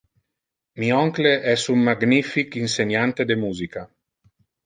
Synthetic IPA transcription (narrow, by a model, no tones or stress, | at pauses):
miɔŋkleʔɛsummaɡnifikinsenjant̪ed̪emuːzika